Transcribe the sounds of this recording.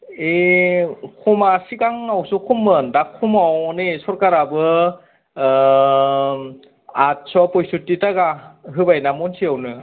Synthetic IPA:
e | kʰumasikaŋawsukʰumːɯndakʰːumawnesɔɾkaɾabɯ | at̚sɔpɔjsutːitaɡaɦɯbajnamɔnsiawnɯ

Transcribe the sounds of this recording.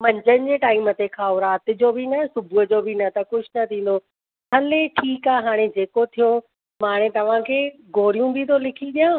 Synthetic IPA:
mɐ̃ɲd͡ʑənɪ̆d͡ʑeːʈaːimət̪ekʰaːʊɾaːt̪ɪ̆d͡ʑoːbinɐsʊbʱʊd͡ʑoːbʱinɐt̪ɐkʊd͡ʑʱnɐt̪ʰĩːn̆d̪o | ɦʰɐleʈʰiːkaːɦaːɽ̃ed͡ʑeːkot̪ʰijo | maːɽ̃ẽt̪ɐʋ̤ãkʰeːɡoːɽijũbʱit̪ʰolɪkʰiɗijãː

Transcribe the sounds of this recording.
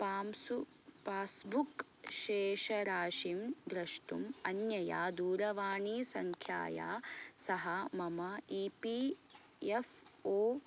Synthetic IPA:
paːmsu | paːsbuk | ʃeːʃɐɾaːʃimd̪ɾɐʂʈumɐnjɐja̰ːd̪uːɾɐʋaːɳiːsɐŋkʰja̰ːja̰ːsɐɦɐmɐmɐiːpi | efoː

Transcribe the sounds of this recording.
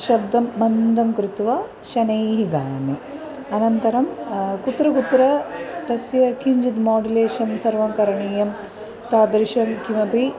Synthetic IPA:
ʃɐbd̪ɐmːɐnd̪ʱɐmkɾut̪ʋa | ʃɐnɐjɦiɡaːmi | ɐnɐnt̪ɐɾɐmkut̪ɾɐkut̪ɾɐt̪ɐsjɐkʰiɲd͡ʒit̪maːɖileːʃɐmsɐɾʋɐmkɐɾɐɳiːjɐm | t̪aːd̪ɾiʃɐmkimɐpi

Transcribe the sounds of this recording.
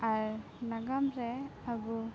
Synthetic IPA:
aɾ | naɡamɾɛabu

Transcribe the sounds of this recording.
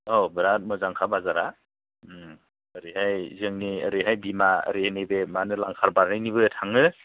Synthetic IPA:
owbɯɾat̚mɯzaŋkʰabazaɾa | əɾihajzɯŋniəɾiɦajbima̰ɾienebemanɯlaŋkʰaɾbaɾːejniβɯtʰaŋɯ

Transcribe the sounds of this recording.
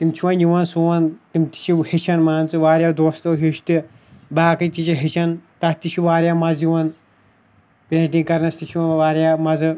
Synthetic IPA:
t̪imt͡ʃʰiwɐnʲjiʋɐnsuːɐnt̪imʲt̪i̥t͡ʃʰihet͡ʃʰɐnmaːnt͡sɨʋaːɾʲjad̪oːst̪oɦiʃt̪i | baːkɨt̪it͡ʃʰiɦet͡ʃʰɐnt̪ɐt̪it͡ʃʰiʋaːɾjamɐzjiʋɐn | peːʈĩŋɡkɐɾnɐst̪it͡ʃʰiɐnʋaːɾʲjamɐzɨ

